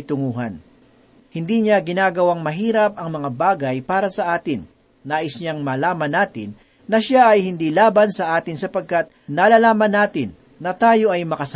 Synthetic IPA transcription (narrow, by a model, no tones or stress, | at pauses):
t̪ʊŋuːɦɐ̰n | hɪnd̪iːɲaɡɪnaːɡɐwaŋmɐɦiːɾɐp̚ʔɐŋmɐŋabaːɡɐjpaːɾɐsɐʔaːt̪ɪnː | aːʔɪsɲaŋmɐlaːmɐnaːt̪ɪ̰nː | ɐʃaʔɐjhɪnd̪iːlaːbɐnsɐʔaːt̪ɪnsɐpɐɡ̚kat̪̚naːlalaːmɐnːaːt̪ɪnːɐt̪aːjo̞ʔɐjmɐkɐs